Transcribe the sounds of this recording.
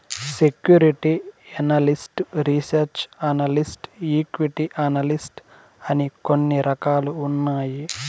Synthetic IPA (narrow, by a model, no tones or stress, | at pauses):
sekjuːɾiʈiɐnɐlisʈɾisɐɾt͡ʃɐnɐlisʈiːkʋiʈiʔɐnɐlisʈ | ɐnikonːiɾɐkaːluːnːaːji